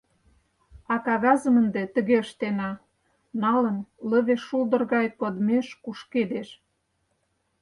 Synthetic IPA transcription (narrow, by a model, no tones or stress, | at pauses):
ɑkɑɣɑzə̆mənd̪et̪ə̆ɣeəʃt̪enɑ | nɑlənlə̆βeʃːuld̪ə̆rɣɑjkod̪meʃkuʃked̪eʃ